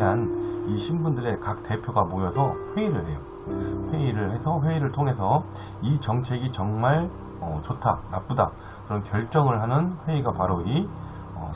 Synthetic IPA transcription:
aniɕʰimbundɯɾe̞kak̚t͈e̞pʰjoɡamojʌsʰʌɸwe̞iɾɯɭhe̞jo | ɸwe̞iɾɯɭhe̞sʰʌɸwe̞iɾɯɭtʰoŋɦe̞sʰʌ | it͡ɕʌŋt͡ɕʰe̞ɡit͡ɕʌŋmaɭ | ʌt͡ɕotʰa̰nap͈uda | kɯɾʌnkjʌɭt͡ɕ͈ʌŋɯɭɦanɯnɸwe̞iɡapaɾoi | ʌ

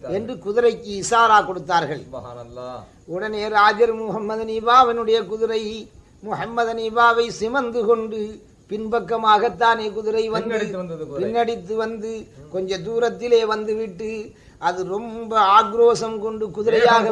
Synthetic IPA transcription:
ɛndrɯkʊðɪɾɐɪkːɯɪsaːɾaːkɔɽɯt̪ːaːɾɣɐɭ | ʊɽɐneːɾaːd͡ʒɐɾmʊhɐmːɐðɐnɪbaːʋɪnɯɽɐjɐkʊðɪɾɐɪ | mʊhɐmːɐðɐnɪbaːʋɐɪsɪmɐnd̪ɯkɔɳɖɯ | pɪnbɐkːɐmaːɣɐt̪ːaːneːkʊðɪɾɐɪʋɐnd̪ɯpɪnːɐɽɪt̪ːɯʋɐnd̪ɯkɔɲd͡ʒɐd̪uːɾɐt̪ːɪleːʋɐnd̪ɯʋɪʈːɯ | ʔɐðɯɾɔmbɐaːɡɾoːsɐmkɔɳɖɯkʊðɪɾɐjaːɣɐ

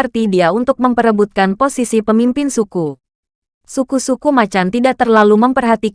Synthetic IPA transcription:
rt̪idiaunt̪ʊk̚məmpəɾəbut̪̚kanposisipəmimpɪnsuku | sukusukumat͡ʃamt̪idaʔ̚t̪ərlaluməmpərɦat̪i

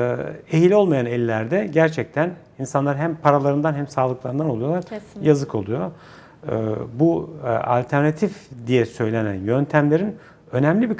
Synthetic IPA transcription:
ejilʲo̞lˠmajanɛlʲːæɾd̪ɛɟæɾt͡ʃʰɛc̚t̪ʰæn | insanlˠaɾɦæmpʰaɾalˠaɾɯnd̪anɦæmsaːlˠɯklˠaɾɯnd̪ano̞lˠujo̞lˠaɾjazɯkʰo̞lˠujo̰ | bua̰lʲt̪ʰæɾnat̪ʰifd̪ijɛsø̞jlʲenæ̰njø̞nt̪ʰæmlʲe̞ɾin | ø̞nɛmlʲibi

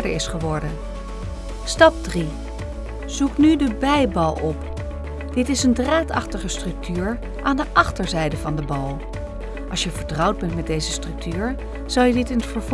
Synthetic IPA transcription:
dəɪsχəʋɔɹdən | stɑp̚dri | z̥uknydəbɛjbɑlˠɔp | d̥ɪtɪsəndraːtɑ̰χtəχəstrɵk̚tyːɹ | ʔaːndəʔɑχtəɹzɛjdəvɑndəbɑlˠ | ʔɑ̰lˠsʃjəvəɹtrʌwd̚bɛntmɛdejzəstrɵk̚tyːɹ | z̥ɑlˠjədɪtɪnətfəɹv

